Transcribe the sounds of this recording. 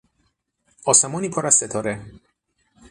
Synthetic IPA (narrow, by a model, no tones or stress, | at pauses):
ɒːsemɒːniːpʰoɾæz̥set̪ʰɒːɾe